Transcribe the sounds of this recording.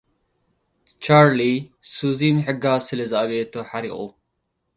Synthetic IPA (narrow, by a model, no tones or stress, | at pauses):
t͡ʃʰaɾlisuzimħɨɡasɨlɐzaʔaβet̪ʰoħaɾixʼu